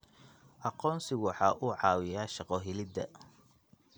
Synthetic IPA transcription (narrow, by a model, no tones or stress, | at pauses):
ʔɑqɔːnsɪɣwʊħɑːʔuːʕɑːwɪjaːʃɑqɔɦɪlɪd̪ɐ̰